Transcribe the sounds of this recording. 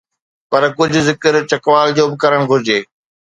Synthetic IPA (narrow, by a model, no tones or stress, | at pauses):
pɐɾkʊd͡ʑʱʊ̆zɪkəɾt͡ɕɐkʋaːld͡ʑoːbɪkɐɾəɽ̃ɡʱʊɾɪd͡ʑeː